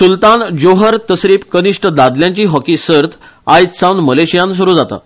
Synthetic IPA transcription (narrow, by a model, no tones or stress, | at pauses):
sult̪and͡ʑoɦəɾt̪əsɾiːpkəniʂʈəd̪ad̪ljãɲt͡ɕiːɦɔkisəɾt̪ʰ | ajt̪sawnməleɕijãns̬uɾuːd͡zat̪a̰